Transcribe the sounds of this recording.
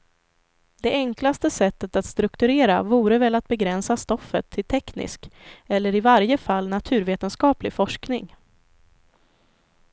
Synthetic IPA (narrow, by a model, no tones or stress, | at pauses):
d̪ɛɛŋklast̪əsɛt̪ːət̪at̪st̪ɾɵkt̪ɵɾeːɾa̰vuːɾəvɛlat̪̚bɛɡɾɛnsast̪ɔfːə̰t̪ʰːɪlt̪ʰɛknɪ̰skɛlːəɾɪvaɾjəfalːnat̪ʰʉ̟ːɾveːt̪ənskɑːplɪfɔʂknɪ̰ŋ